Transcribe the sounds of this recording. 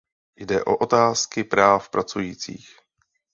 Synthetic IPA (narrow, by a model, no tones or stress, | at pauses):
jdɛ̰ʔoʔot̪aːskɪpɾaːfpɾat͡sujiːt͡sḭːx